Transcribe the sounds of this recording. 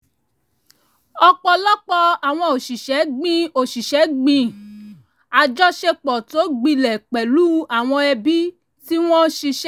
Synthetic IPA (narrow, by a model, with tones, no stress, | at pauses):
ɔ˧k͡pɔ˧lɔ˦k͡pɔ˧a˨w̃ɔ̃˧o˨ʃi˨ʃɛ˨˦ɡ͡bĩ˦o˨ʃi˨ʃɛ˨˦ɡ͡bĩ˧ | a˨d͡ʒɔ˦ʃe˧k͡pɔ˨to˨˦ɡ͡bĩ˧lɛ˨k͡pɛ˨lu˦a˨w̃ɔ̃˧ɛ˧bi˦ | ti˦w̃ɔ̃˦ʃi˧ʃ